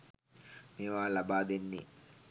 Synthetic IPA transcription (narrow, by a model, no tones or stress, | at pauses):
meːʋaːlabaːd̪enːe